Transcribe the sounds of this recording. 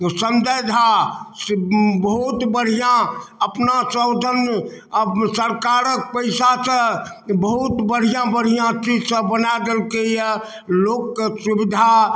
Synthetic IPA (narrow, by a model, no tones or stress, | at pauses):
sənd̪əjd̪ʱa | bəɦut̪bəɽ̤ijãəpnasəʊd̪ʱən | səɾkaɾək̚pəɪsasə̃ | bəɦut̪bəɽ̤ijãbəɽ̤ijãt͡ʃid͡ʒsə̃bənad̪elkeijə | lokːsubid̪ʱa